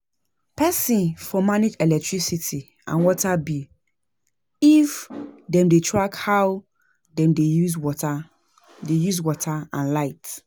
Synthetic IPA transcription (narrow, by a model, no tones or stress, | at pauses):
pʰɛsĩnfɔmaned͡ʒɛlɛk̚tʰɹisitʰi | ã̰nwɔtʰabi | ifdɛ̃mdetʰɹakhaʊ | dɛ̃mdejuzwɔa | dejuzwɔtʰaãnlaɪt